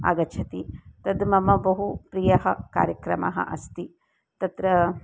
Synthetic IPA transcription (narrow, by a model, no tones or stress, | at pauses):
a̰ːɡɐt͡ʃʰɐt̪it̪ɐd̪mɐmɐbɐɦupɾijɐɦɐka̰ːɾjɐkɾɐmɐ̰ɦɐ̰ʔɐ̰st̪i | t̪ɐt̪ɾɐ